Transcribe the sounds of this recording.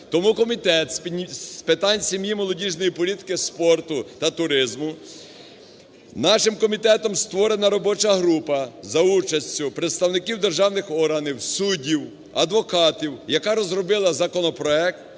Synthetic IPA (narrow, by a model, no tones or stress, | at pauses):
t̪ɔmukɔmʲit̪ɛt̪sʲpɪt̪ɑnʲsʲimjimɔlˠɔdʲiʒnɔjipɔlʲit̪ɪ̥kɪspɔrt̪ʊt̪ɐt̪ʊɾɪzmʊ | nɑʃɪmkɔmʲit̪ɛt̪ɔmst̪ʋɔɾenɐɾɔbɔt͡ʃɐɦɾupɐzɐut͡ʃɐsʲt͡sʲʊpɾet̪st̪ɐwnɪkiwd̪erʒɑwnɪxɔrɦɐniwsudʲiw | ɐd̪ʋɔkɑt̪ʲiwjɐkɑɾɔzrɔbɪlˠɐzɐkɔnɔpɾɔɛk̚t̪̚